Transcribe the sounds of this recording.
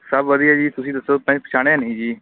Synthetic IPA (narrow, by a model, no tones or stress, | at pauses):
səbʋəd̪iːaːd͡ʒiːt̪ʊsĩːd̪əsːoːpɛ̃ːd͡ʒpət͡ʃʰaːɽ̃ẽːənĩːd͡ʒiː